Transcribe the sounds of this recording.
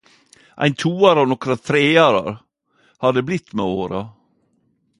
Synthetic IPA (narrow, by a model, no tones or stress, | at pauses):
ʔæ̰ɪnt̪ʰuːɑɾɑnɔkɾɑt̪ʰɾeːɑɾɑ̰ɾ | hɑd̪əblɪt̪ːmɛoːɾɑ